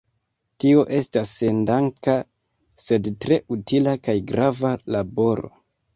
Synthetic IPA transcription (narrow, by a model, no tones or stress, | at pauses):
tio̞ʔe̞stasendaŋka | se̞dtɾe̞utilakajɡɾavalabo̞ɾo̞̰